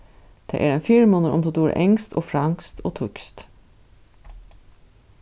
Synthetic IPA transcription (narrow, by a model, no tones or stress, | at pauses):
d̪̥ḛʔæːɾeːnfiɾmoːnəɾʔɔ̰mt̪od̪uːɾə̰ʔɛŋst̪o̰ːfɾɑŋst̪ʰoːt̪ʰʊkst̪